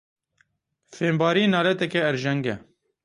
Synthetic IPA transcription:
feːmbɑːɾiːnɑːlɛt̪ɛkɛːɾʒɛŋɡɛ

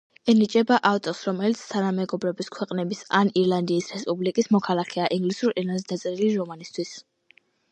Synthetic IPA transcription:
ɛnit͡ʃʼɛbaʔaft̪ʼɔsɾɔmɛlit̪sʰt̪ʰanamɛɡɔbɾɔbiskʰwɛqʼnɛbisaniɾlˠand̪iːsɾɛspʼublikʼismɔkʰalˠakʰɛaʔiŋɡlisuɾiɾlanzd̪at̪sʼɛɾiliɾɔmanist̪ʰwis

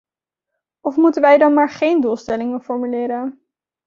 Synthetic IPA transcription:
ʔɔfmutənʋɛjdɑnmaːɹχejnduːlˠstɛlɪŋəfɔɹmylɪːɾən

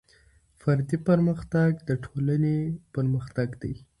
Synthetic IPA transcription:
faɾd̪ipəɾməxt̪aɡd̪əʈʰolanepəɾməxt̪aɡd̪aj

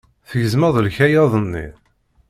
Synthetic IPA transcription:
θəʝəzməðˤlçæjɑðˤənːḭ

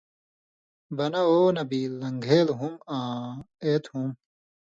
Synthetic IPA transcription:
bɐnɐoːnɐbiːlːɐŋɡʱeːlɦumãː | eːt̪ʰhum

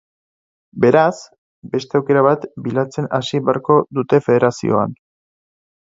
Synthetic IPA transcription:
be̞ɾas | be̞st̪e̞awke̞ɾaβ̞at̪bilat͡se̞nasiβeaɾko̞ðut̪e̞feð̞e̞ɾasḭo̞̰a̰n

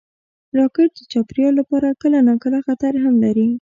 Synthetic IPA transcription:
ɾɑkɪɾ̚d̪ət͡ʃɑpɾjɑlapɑɾakəlanɑkəlaxat̪aɾɦamlaɾi

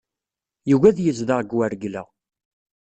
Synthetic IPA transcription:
juɣæðjəzðaʁɡwæɾɡlæ̰

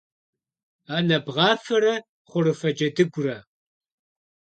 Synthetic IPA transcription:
aːnɐbʁɑːfɐɾɐ | χʷʊɾɨfɐd͡ʒɐdɨɡʷʊrɐ

